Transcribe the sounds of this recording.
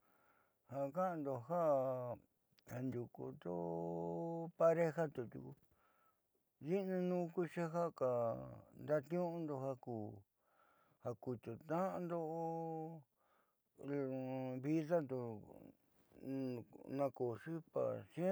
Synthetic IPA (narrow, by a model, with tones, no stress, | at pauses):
ha˧˨˧ka˦ã˧nd̪o˧ɦa˦ʔ | a˧nd̪ʲu˨kṵ˧nd̪o˦ | pa˧ɾe˦ɦa˦t̪u˧t̪ʲṵ˧ku˧ | ði˦nã˧nũː˦ku˦ʂa˦ɦa˦ka˨nd̪a˦t̪ɲũ˦˧nd̪o˧ha˧kuː˨ | ha˧ku˧t̪o˨t̪ã˦ʔã˧nd̪o˦ʔo˧ | lβi˦ða˦nd̪u˧ | nã˧ko˨ʂi˦pa̰˨ʂ